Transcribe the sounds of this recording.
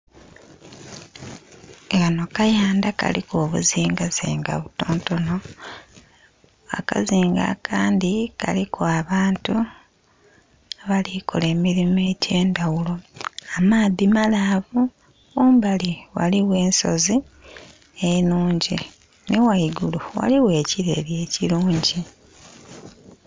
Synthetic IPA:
eɣano̞kajaːndaka̰likoːβuziːŋɡaziːŋɡa̰βutoːnto̞no̞ | a̰ka̰ziːŋɡa̰kʰaːndika̰likʰoaβaːntu | aβaliko̰le̞ːmiɾimeːtʰe̞ːndawulo̞amaːðimalavu | uːmbaliwa̰liwe̞ːnso̞zi | enuːɲɟi | newaiɡuluwa̰liwe̞ːciɾe̞̰lje̞ːciɾuːɲɟi

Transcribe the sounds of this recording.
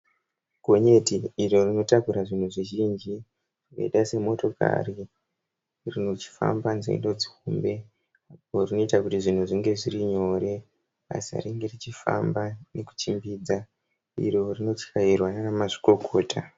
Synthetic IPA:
ɡʱo̞ɲe̞tiːɾo̞rino̞takuɾaʐin̤uʐiʒind͡ʒi | rino̰ḭɗase̞mo̞to̞ka̰ri | rinot͡ʃi̥fa̰mbanzḛḭndo̞d͡zi̥ɦumbe̞ | aporino̞itakutiʐin̤uʐiŋɡe̞ʐiriɲo̞ːre̞ | a̰sia̰riŋɡe̞rit͡ʃifa̰mbane̞ku̥t͡ʃimbiːd͡za | ḭɾo̞rino̞t͡ʃkairwananamaʐi̥ko̞kʰo̞ːtʰa

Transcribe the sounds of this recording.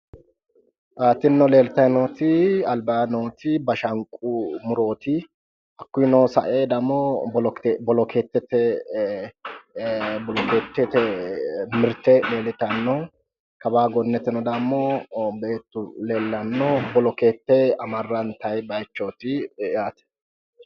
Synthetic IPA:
ʔaːt̪ːɪnːɔle̞ːlɪt̪ɐjnoːt̪ɪɐlbaːnoːt̪ɪbɐʃɐŋkʼʊmʊɾo̞ːt̪ɪ | ʔɐkːʊjnɔːsɐ̰ʔeːd̪ɐmːɔbɔlɔkbɔlɔkʰeːt̪ːɛt̪ɛ | bɔlɔke̞ːt̪ːɛt̪ɛ | mɪɾt̪ɛle̞ːlɪt̪ɐnːɔ | kɐbaːɡɔnːɛt̪ːɪnɔd̪ɐmːɔbeːt̪ːʊle̞ːlːɐnːɔbɔlɔke̞ːt̪ːɛɐmɐrːɐnt̪ɐjbɐjt͡ʃːo̞ːt̪ɪjaːt̪ɛ̥

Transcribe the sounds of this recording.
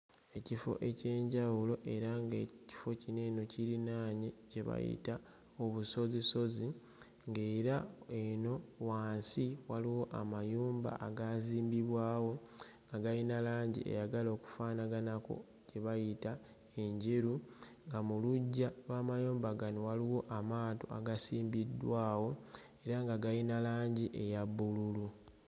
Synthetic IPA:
e̞cifo̞̰ʔe̞ce̞ːɲɟawulo̞ʔe̞ɾaŋɡe̞ci̥fo̞cine̞ːno̞ciɾinaːɲece̞βa̰jḭta | oβuso̞ziso̞zi | ŋɡe̞ːɾaeno̞waːnsiwaliwo̞ʔa̰majuːmba̰ʔaɡaːziːmbiβwaːwo̞ŋɡaɡajinalaːɲɟḭʔḛjaɡalo̞ːku̥faːnaɡanako̞̰ | ceβajita | e̞ɲɟiɾuŋɡamuluɟːalwaːmajuːmbaɡaniwaliwo̞ʔamaːto̰a̰ɡasiːmbidːwaːwo̞ | e̞ɾaŋɡaɡajinalaːɲɟiʔe̞jaβːululu

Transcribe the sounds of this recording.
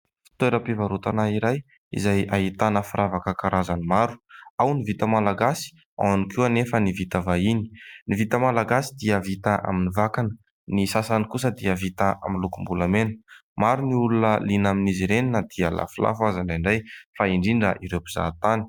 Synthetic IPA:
fi̥t̪eɾəpivaɾut̪anaiɾaj | ḭzajait̪anəfiɾʔavakəkaɾʔazanimaɾu̥awnivit̪əmalaɡasi̥ | a̰wanikuanefənivit̪əvaini̥nivit̪əmalaɡasid̪iəvit̪aʔa̰minivakanə | nisasanikus̬əd̪iəvit̪aa̰minlukumbulamenə̥maɾuniulunəlinaminiziɾeninəd̪̥iəla̰fila̰fuazaɳaɳɖ͡ʐajfaiɳɖ͡ʐiɳɖ͡ʐəʔiɾewpiz̥a̰t̪ani̥

